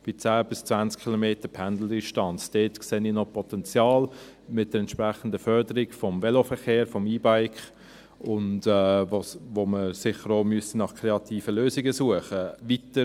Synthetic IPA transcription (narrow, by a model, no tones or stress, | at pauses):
b̥ɪt͡sæːb̥ɪst͡svænt͡skʰχilomeːtəpʰænd̪l̩dɪʃtɑnt͡sd̥eːtkseːniːnɔpʰɔtɛnt͡sjɑːlmɪt̚d̥əɾɛntʃpɾæχən̩dəfœɾdəɾɪɡfɔmvɛlofəɾχeːɾfɔmiːbaɪkχ | ʊndɛvovoːməsɪχəɾoːmyəstinɑχkʰɾeɑt̪ʰiːfəløːzɪɡəsuəχəvitə